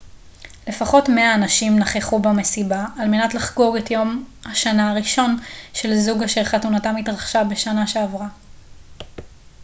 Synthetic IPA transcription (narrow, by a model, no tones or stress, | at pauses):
le̞faχo̞tmeaːnaʃimnaχeχubame̞sibaːlme̞natlaχɡoʁetjo̞mhaʃanaːʁiʃo̞nʃe̞lzuɡaʃeʁχatunatamitʁaχʃabe̞ʃanaʃe̞avʁa